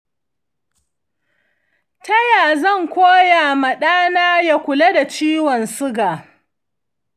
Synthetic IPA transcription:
tɐ˦jaː˨zɐ˦˨ŋkʷoː˦ja˨mɐ˨ɗaː˦naː˦ja˦kʷʊ˨la˦da˨t͡ʃiː˦wɔ˨nsʊ˦ɡaː˨

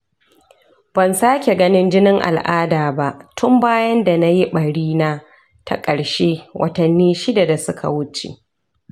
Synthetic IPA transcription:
b̥ɐ˨nsaː˦kʲe˨ɡɐ˦nɪ˦nd͡ʒɪ˦nɪ˦ŋʔa̰˨lʔa̰ː˦daː˨ba˦ʔtʰʊ˦mbaː˦jɐ˦nda˨na˦ji˦ɓɐ˨ɽiː˦naː˦ | tʰa̰˦kʼɐ˨ɽʃeː˦wʔɐ̰˦tɐ˨nːiː˦ʃɪ˦da˨da˨sʊ˦kʰa̰˨wʊ˦t͡ʃḛ˨

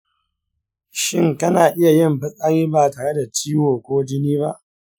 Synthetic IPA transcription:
ʃɪ˦ŋkɐ˦naː˨ʔɪ˦ja˨jɪ˦˨mɸɪ˦sʼa˦ɾiː˦baː˨taː˨ɽe˦da˨t͡ʃiː˦woː˨kʷoː˦d͡ʒɪ˦niː˦βa˦ʔ

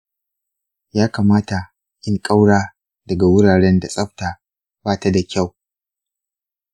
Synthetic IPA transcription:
jaː˦kaː˨maː˦ta˨ | ʔɪ˦ŋkʼa˦wɽaː˦ | dɐ˨ɡa˨wʊ˦ɽaː˨ɽɛ˦nda˨sʼɐ˦ɸ̚ta˨ | baː˦ta˦da˨kʲa˦˨w

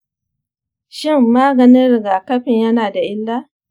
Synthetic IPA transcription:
ʃɪ˦mːaː˦ɡɐ˨nɪ˦ɾɡa˨kɐ˦ɸɪ˨ɲjɐ˦naː˨da˨ʔɪ˦lːaː˦

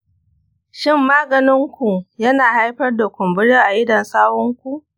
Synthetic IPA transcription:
ʃɪ˦mːaː˦ɡɐ˨nɪ˦ŋkʷu˨jɐ˦naː˨ha˦jɸɐ˦rda˨kʷʊ˨mbɪ˦ɽeː˦ʔa˨ʔɪ˦dɐ˨nsaː˦wɔ˦ŋkʷu˦ʔ

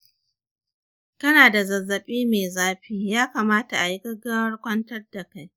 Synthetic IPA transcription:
kɐ˦naː˨da˨zɐ˨zːɐ˨ɓiː˦meː˨zaː˦ɸiː˦jaː˦ka˨maː˦ta˨ʔa˨ji˦ɡɐ˦ɡaː˦wɐ˦rkʷɐ˦ntɐ˦rda˨ka˦j

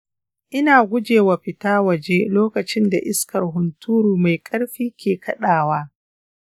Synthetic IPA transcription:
ʔɪ˦naː˨ɡʷʊ˦d͡ʒeː˨wa˨ɸɪ˨taː˦wɐ˨d͡ʒeː˦loː˦kɐ˨t͡ʃɪ˦nda̰˨ʔɪ˦skɐ˨rɦʊ˨ntʰuː˦ɾuː˨ma˨jkʼɐ˦ɽɸiː˦kʲeː˨kʰɐ˦ɗaː˨waː˦

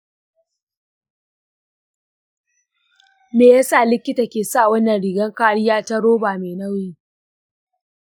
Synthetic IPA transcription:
meː˨ja˦saː˦˨lɪ˦kʲːɪ˦taː˨kʲeː˨saː˦˨wɐ˦nːɐ˨nɽi˨ɡɐ˦ŋkaː˦ɽɪ˦jaː˦ta˦ɽoː˦baː˨meː˨nɐ˦wi˦

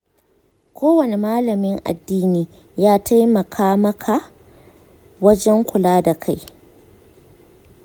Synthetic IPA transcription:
kʰʷoː˦wɐ˨ne˨maː˦lɐ˨mɪ˦ŋʔa̰˨dːiː˦niː˦ | jaː˦ta˦jmɐ˨kʰaː˦mɐ˦kʰa˨ | wɐ˦d͡ʒɛ˦ŋkʷʊ˨laː˦da˨kʰa˦j

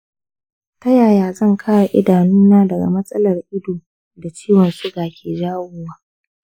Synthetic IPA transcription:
tɐ˦jaː˨jaː˨zɐ˦˨ŋkʰaː˦ɽa˨ʔɪ˦daː˨nuː˦naː˦dɐ˨ɡa̰˨mɐ˦sʼɐ˦lɐ˨rʔɪ˦doː˨ | da˨t͡ʃiː˦wɐ˨nsʊ˦ɡaː˨kʲʰeː˨d͡ʒaː˦wʊ˦waː˦

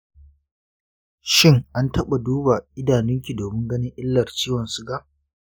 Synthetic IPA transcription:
ʃɪ˦˨ŋʔa˦ntɐ˦ɓa˨duː˦ba˨ʔɪ˦daː˨nɪ˦ŋkʲi˨doː˨mɪ˦ŋɡɐ˦nɪ˦ŋʔɪ˦lːɐ˨rt͡ʃiː˦wɔ˨nsʊ˦ɡa˦ʔ

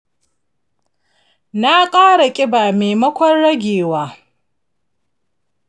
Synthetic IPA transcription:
na˦kʼaː˦ɽa˨kʲʼɪ˦baː˨meː˨mɐ˦kʷɔ˦nɽɐ˦ɡʲeː˨waː˦

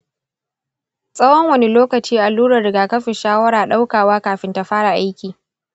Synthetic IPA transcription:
sʼɐ˦wɔ˦ŋwɐ˦ni˦loː˦kɐ˨t͡ʃiː˦ʔa˨lːuː˦ɽɐ˨rɽɪ˨ɡaː˨kɐ˦ɸɪ˨ʃaː˦wɐ˦ɽaː˨ɗa˦wkaː˨waː˦kaː˨ɸɪ˦nta˨ɸaː˦ɽa˨ʔa˦jkʲiː˨

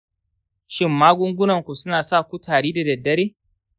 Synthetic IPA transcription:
ʃɪ˦mːaː˦ɡʷʊ˦ŋɡʷʊ˦nɐ˨ŋkʷu˨sʊ˦naː˨saː˦˨kʷu˦taː˨ɽeː˦da˨dɐ˨dːɐ˦ɽeː˦

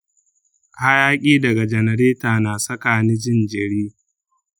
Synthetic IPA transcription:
ʔha˦jaː˦kʲʼiː˦dɐ˨ɡa˨d͡ʒɛ˨nɐ˨ɾeː˦taː˨naː˨sɐ˦kaː˨nɪ˦d͡ʒɪ˦nd͡ʒɪ˨ɽiː˦

